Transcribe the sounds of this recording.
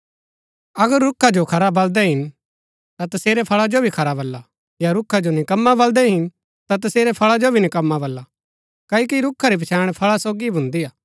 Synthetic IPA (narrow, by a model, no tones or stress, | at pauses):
ɐɡəɾːʊkʰːad͡ʒokʰɐɾabɐld̪ɛɦɪn | t̪at̪ɐseːɾepʰɐɭad͡ʒobʱikʰɐɾabɐlːa | jaɾʊkʰad͡ʒonɪkɐmːabɐld̪ɛɦɪn | t̪at̪̬ɐseːɾepʰɐɭad͡ʒobʱinɪkɐmːabɐlːa | kaːokiɾʊkʰːaɾibʱɐt͡ʃʰaːɽ̃pʰɐɭasoːɡibʱʊ̃nd̪ijaː